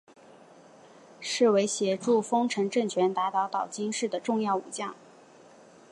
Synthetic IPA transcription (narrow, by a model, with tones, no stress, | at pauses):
ʂɻ̩˥˩we˧˥ɪɕjɛ˨˩ʈ͡ʂu˥˩fɤ˥ŋʈ͡ʂʰɤ˧˥ŋʈ͡ʂɤ˥˩ŋt͡ɕʰɥɛ˧˥nt̪a˧˥t̪ɑ˧˥ʊt̪ɑ˨˩ʊt͡ɕi˥ŋʂɻ̩˥˩d̪ə˩ʈ͡ʂʊ˥˧ŋjɑ˥˩ʊṵ˨˩t͡ɕjɑ˥˩ŋ